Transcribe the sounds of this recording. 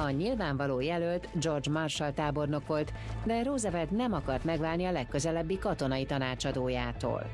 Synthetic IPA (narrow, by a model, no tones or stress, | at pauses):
ɒɲilvaːɱvɒloːjɛlølt̪d͡ʒo̞rd͡ʒmɒrʃɒlt̪aːbo̞rno̞ko̞lt̪d̪ɛɾoːzɒvɛt̪nɛmɒkɒrt̪mɛɡvaːlniɒlɛkːø̞zɛlɛbːikɒt̪o̞nɒit̪ɒnaːt͡ʃɒd̪oːjaːt̪o̰ːl